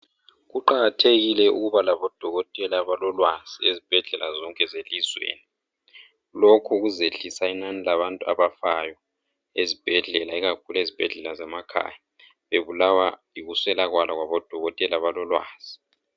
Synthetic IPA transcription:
ɣuǃaɣatʰeɣilɛṵɣuβalaβɔd̥ʱɔɣɔtʼɛlaβalɔlwaz̥iezib̥ʱɛɮɛlazɔŋkʼɛzelizwḛːni | lokʰuɣuzeɬisainanilaβantʼua̰βafajɔ | ezib̥ʱɛɮɛlaiɣakʰulezib̥ʱɛɮɛlazɛmakʰa̰ːja | βeβulawa | iɣuswɛlaɣwalaɣwaβɔd̥ʱɔɣɔtʼɛlaβalɔlwa̰ːz̥i

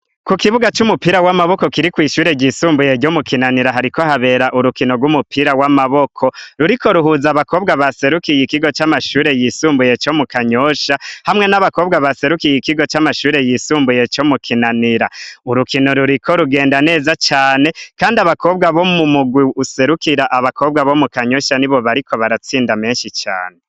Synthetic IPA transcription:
kukiβuɡat͡ʃumupiːɾawamaβo̞ko̞kiɾikwiːʃuːɾe̞ɟiːsuːmbuje̞ɾɟomukinaniɾaɦaɾikohaβe̞ːɾaʔuɾukino̞ɡwumupʰiɾawamaβo̞kʰo̞ɾuɾiko̞ɾuɦuːzaβako̞ːbɡaβase̞ɾukijikiɡot͡ʃamaʃuːɾe̞jisuːmbuje̞t͡ʃo̞mukaɲo̞ʃahamŋe̞naβako̞ːbɡaβase̞ɾukijikiɡo̞t͡ʃamaʃuːɾe̞jisuːmbuje̞t͡ʃo̞mukʰinaniɾauɾukino̞ɾuɾiko̞ɾuɡe̞ːndane̞ːzat͡ʃaːne̞kaːndiaβako̞ːbɡaβo̞mumuɡwiuse̞ɾukiɾaʔaβako̞ːb̚ɡaβo̞mukaɲo̞ʃaniβo̞βaɾikʰo̞βaɾat͡siːndame̞ːnʃit͡ʃa̰ːne

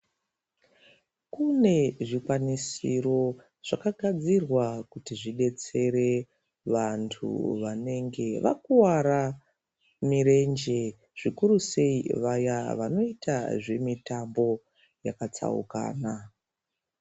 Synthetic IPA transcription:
kune̞ʐikwanisiro̞ | ʐ̥akaɡʱad͡zirwakutiʐiɗe̞t͡se̞ɾe̞ | ʋantʰṵʋane̞ŋɡe̞ʋa̰kuwaɾa | miɾe̞nd͡ʒe̞ | ʐ̥ikuɾuse̞iʋajaʋano̞itaʐe̞mitambo̞ | jakat͡sa̰ṵka̰ːna

